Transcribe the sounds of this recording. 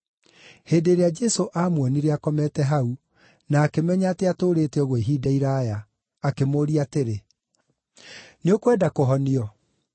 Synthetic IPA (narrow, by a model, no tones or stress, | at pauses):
heːndeːɾead͡ʒɛsoʔamwɔniɾeakɔmɛtɛɦau | naːkemɛɲaːtɛatoːɾetɛɔɣweɦiːdaiɾaja | akemoːɾiateɾe | neokwɛdakoɦɔniɔ